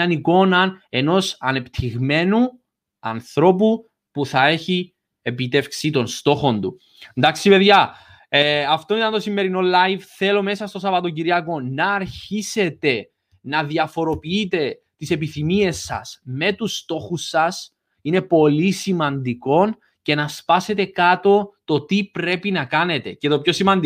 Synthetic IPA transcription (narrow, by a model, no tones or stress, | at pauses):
ɐniko̞nɐne̞no̞sɐne̞pt̪ʰiɣme̞nu | ɐ̰nθɾo̞p̬u | puθɐe̞çi | e̞pit̪e̞fksit̪o̞nst̪o̞xo̞nd̪u | nd̪ɐksipe̞ðʝɐ | eɐft̪o̞nit̪ɐnt̪o̞simːe̞ɾino̞lːɐjvθe̞lo̞me̞sɐst̪o̞sɐvɐt̪o̞ciɾiɐko̞nɐːɾçise̞t̪e̞ | nɐðiɐfo̞ɾo̞piit̪e̞ | t̪ise̞piθimie̞sːɐ̰sme̞t̪ust̪o̞xusːɐs | ine̞po̞lisimɐnd̪iko̞n | ce̞nɐspɐse̞t̪e̞kɐt̪o̞t̪o̞t̪ipɾe̞pinɐkɐne̞t̪e̞cet̪o̞pço̞simɐnd̪i